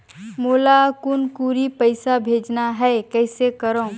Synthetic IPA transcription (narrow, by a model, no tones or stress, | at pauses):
moːlakʊnkuːɾipəɪsabʱeːd͡ʒnaɦɛkɛɪsekəɾõː